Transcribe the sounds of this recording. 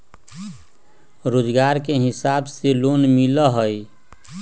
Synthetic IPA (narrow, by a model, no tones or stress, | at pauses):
ɾoːd͡ʒɡaːɾkeɦɪsaːbseloːnmiləɦəj